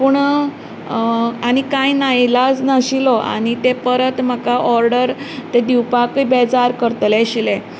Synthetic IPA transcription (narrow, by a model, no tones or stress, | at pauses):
puɳ | aɽ̃ikajnajlad͡znəɕilɔa̰ɽ̃it̪epəɾət̪m̤əkaʔɔɾɖəɾt̪ed̪iwpakəjbed͡zaɾkəɾt̪leɕile